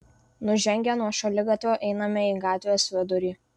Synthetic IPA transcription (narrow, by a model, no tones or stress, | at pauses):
nʊʒʲɛŋʲɡʲɛnuɔʃɐlʲɪɡɐt̪ʲʋʲoːʔɛɪnɐmʲɛiːɡɑːt̪ʲʋʲejoːsʋʲɛd̪ʊɾʲiː